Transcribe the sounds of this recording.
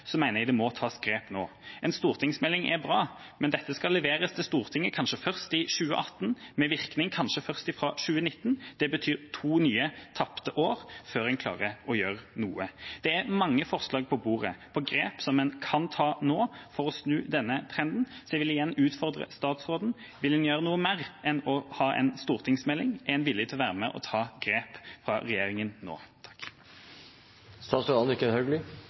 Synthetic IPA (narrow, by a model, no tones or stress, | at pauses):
sɔmæɪnɛd̪ɛmɔt̪ʰɑːsɡ̥ɾeːpno̰ː | ɛnst̪uːʁt̪ʰɪŋsmɛlːɪŋɛ̰bʁɑː | mɛnd̪ɛt̪ːəskɑlːɛʋeːʁəst̪ʰɪlst̪uːʁt̪ʰɪŋːəkʰɑnʂəfœʁst̪ɪʃʉːə̰ʔɑt̪ːnmɛʋɪʁknɪŋkʰɑnʃəfœʁst̪ɪfɾɑːʃʉːənɪt̪ːnd̪̥ɛbət̪ʰyːɾt̪ʰuːnyːət̪ʰɑpt̪əʔoːʁføːʁɛnkʰlɑ̰ːʁəɔjøːʁnuːəd̪̥ɛæʁmɑŋːəfɔʁslɑːɡ̚pʰɔbuːʁə̰pʰɔɡʁeːpsɔmːɛnkʰɑnt̪ʰɑːnoːfɔʁɔsnʉːd̪ɛnːət̪ʰʁɛnd̪n̩sɔjɛʋɪlɪjɛnːʉːt̪fɔʁd̪ʁə̰st̪ɑːt̪sʁoːd̪n̩ | ʋɪld̪ɛnjøːɾənuːəmeːʁɛnɔhɑːʔɛ̰nst̪uːʁt̪ʰɪŋsmɛlːɪŋɛnʋɪljət̪ʰɪlɔʋæːʁəmɛʔɔ̰t̪ʰɑːɡɾeːpfʁɑʁɛjeːʁɪŋənno̰ːt̪ʰɑ̥k | st̪ɑːsəɑnɪkːənhœɡlʏ